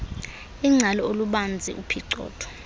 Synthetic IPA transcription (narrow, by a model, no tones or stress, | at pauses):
iŋ͡ǀʱalɔoluɓand͡zʱḭʔupʰiǀɔ̰ːtʰʼɔ̥